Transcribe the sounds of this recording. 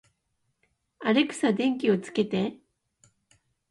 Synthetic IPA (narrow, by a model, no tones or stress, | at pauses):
aɾe̞kɯ̥sad̪ẽ̞ŋk̬ʲio̞t͡sɨ̥ke̞t̪e̞